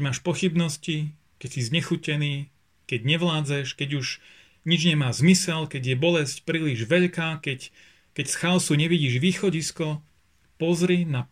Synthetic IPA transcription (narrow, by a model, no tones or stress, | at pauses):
maːʃpɔxibnɔsci | kɛcsizɲɛxucɛniː | kɛɟɲɛʋlaːd͡zɛʃkɛɟuʒ | ɲid͡ʒɲɛmaːzmisɛlkɛɟjɛbɔlɛscpɾiːliʒʋɛʎkaːkɛc | kɛcsxalsuɲɛʋiɟiːʒʋiːxɔɟiskɔ | pɔzɾina